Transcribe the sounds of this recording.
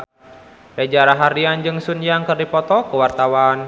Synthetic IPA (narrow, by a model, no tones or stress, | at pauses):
rɛd͡ʒaɾaɦaɾiand͡ʒɨŋsunjaŋkɨrdipɔt̪ɔkuwart̪awan